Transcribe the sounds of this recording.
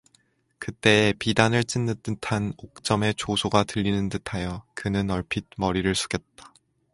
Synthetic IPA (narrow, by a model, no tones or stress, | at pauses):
kɯt͈e̞ːpidanɯɭt͡ɕ͈inːɯt͈ɯtʰanok̚t͡ɕ͈ʌme̞t͡ɕosʰoɡatɯʎːinɯntɯtʰajʌkɯnɯnʌɭpʰit̚mʌɾiɾɯɭsʰu̥ɡjʌt̚t͈ḁ